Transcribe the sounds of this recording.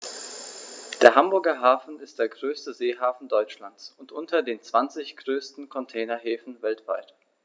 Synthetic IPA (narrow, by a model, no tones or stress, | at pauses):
d̥eːɐɦambʊɐɡɐɦaːfn̩ɪstd̥eːɐɡʁøːstəzeːɦaːfn̩dɔʏt͡ʃlant͡sʊntʔʊntʰɐdeːnt͡sv̥ant͡sɪçɡ̥ʁøːstn̩kʰɔntʰɛːnɐɦeːfn̩vɛltv̥aɪt